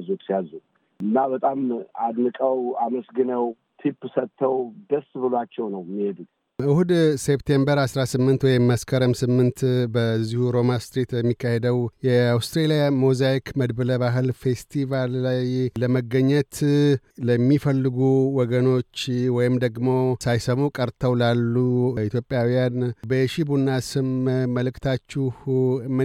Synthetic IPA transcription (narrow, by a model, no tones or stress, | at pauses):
zot̪sijazu | ʔɨnːabət̪ʼamad̪nɨkʼəwaməsɡɨnəw | t̪ʰipːsət̪ʰːəwd̪əsbɨlat͡ʃːɛwnəwmihed̪ut̪ | ʔɨhud̪se̞pt̪ʰe̞mbəɾasɾasɨmːɨnt̪wɔjɪmːaskʰəɾəmsɨmːɨnt̪bəzːihuɾo̞mast̪ɾit̪bəmːikːahe̞d̪əwjɛawst̪ɾelijamozajikʰməd̪bələβaɦɨlfest̪ʰivalːajləməɡəɲːət̪ləmːifəlːɨɡuwɔɡəno̞t͡ʃːwɔjɪmd̪əɡmo̞sajsəmukʼəɾt̪ʰəwlalːuit̪ʰjo̞pʼjawijanbəjɛʃibunːasɨmmːəlɨkt̪ʰat͡ʃːuhmɨ